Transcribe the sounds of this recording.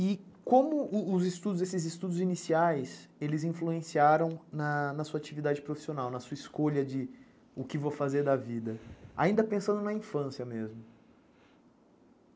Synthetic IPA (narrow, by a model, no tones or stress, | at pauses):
ɪkõmʊʊːzɪst̪ud̪ʊzesɪzɪst̪ud̪ʊzinisiajselɪzĩfluẽsiaɾɐ̃w̃nɐnɐsuɐat͡ʃivid̪ad͡ʒɪpɾofi̥sionawnɐsuɐɪskoʎɐd͡ʒɪ | ʊkɪvofazeɾd̪ɐvid̪ɐa̰ĩnd̪ɐpẽsɐ̃nd̪ʊnɐĩfɐ̃siɐmezmʊ